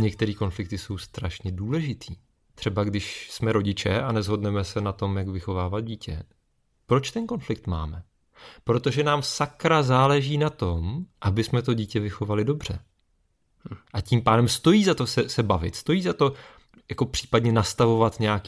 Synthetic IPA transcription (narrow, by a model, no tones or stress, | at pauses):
ɲɛk̚t̪ɛɾiːko̞nflɪkt̪ɪso̞wst̪ɾaʃɲɛduːlɛʒɪt̪ʰḭː | t̪r̝̥ɛbaɡdɪʃsmɛɾo̞ɟɪt͡ʃɛʔanɛzɦo̞dnɛmɛsɛnat̪o̞mjakvɪxo̞vaːvat̪̚ɟiːcɛ̰ | pɾo̞t͡ʃt̪ɛnko̞nflɪk̚t̪ma̰ːmɛ | pɾo̞t̪o̞ʒɛnaːmsakɾazaːlɛʒiːnat̪o̞mʔabɪsmɛt̪̬o̞ɟiːcɛvɪxo̞valɪdo̞br̝̥ɛ | ʔaciːmpaːdɛmst̪o̞jiːzat̪o̞sɛsɛbavɪ̰t̪st̪o̞jiːzat̪o̞ | jako̞pr̝̥i̥ːpadɲɛnast̪avo̞vat̪ɲɛakː